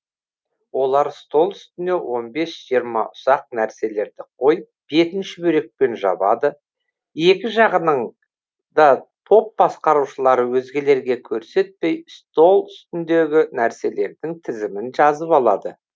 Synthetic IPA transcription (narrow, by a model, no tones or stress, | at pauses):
wo̞lˠɑɾst̪o̞lˠʏst̪ɪnd̪e̞wʔo̞nbe̞sʒ̥ijəɾmɑ̰ʔʊsɑq̚næɾse̞le̞ɾd̪ɪqʰo̞jəp̚be̞t̪ɪnʃɪbɵɾe̞k̚pe̞nʒɑ̰bɑ̰d̪ə | e̞kʲɪʒɑʁənəɴ | d̪ɑt̪ʰo̞p̚bɑsqɑɾuʃəlˠɑɾəwɵzɡʲe̞le̞ɾɡʲe̞kʲʰɵɾse̞t̪̚pe̞jst̪o̞lˠʏst̪ɪnd̪e̞ɡʲɪnæɾse̞le̞ɾd̪ɪŋt̪ʰɪzɪmɪnʒɑzəpɑlˠɑd̪ə